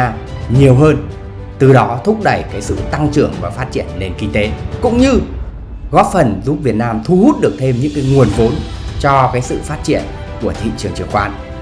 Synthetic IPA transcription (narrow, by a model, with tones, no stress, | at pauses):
aː˧mɲi˨˩əwɦəː˧n | t̪ɨ˨˩ɗɔ˨˦t̪ʰʊ˦˥k͡p̚ɗə˧˩jkaː˨˦jsɨ̰˧˨t̪a˧ŋt͡ɕɨ˧˩əŋva̰ː˨˩faː˦˥t̚t͡ɕi˧˩ənːe˨˩nkï˧ŋ̟t̪e˨˦kʊ̰˧˥ŋ͡mɲɨ˧ | ɣɔ˦˥p̚fə˨˩nzu˦˥p̚vi˨˩ət̚naː˧mt̪ʰu˧hu˦˥t̚ɗɨ˨˩ək̚t̪ʰe˧mɲɨ̰˧˥ŋkaː˨˦jŋu˨˩ənvo˨˦nt͡ɕɔ˧kaː˨˦jsɨ̰˧˨faː˦˥t̚t͡ɕḭ˧˩ən | ku˧˩ət̪ʰḭ˧˨t͡ɕɨ˨˩əŋt͡ɕɨ˨˩əŋkwaː˧n